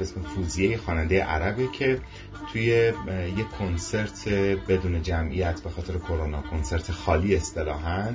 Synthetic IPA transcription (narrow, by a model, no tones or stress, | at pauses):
besmefuːzijejexɒːnænd̪ejḛʔæɾæbecʰe̞ | t̪ʰuje̞je̞kʰonse̞ɾt̪ʰebe̞d̪uːne̞d͡ʒæmʔijæt̪ʰbe̞xɒːt̪ʰe̞ɾekʰo̞ɾonɒːkʰonse̞ɾt̪ʰexɒːliːe̞st̪e̞lɒːɦænd̪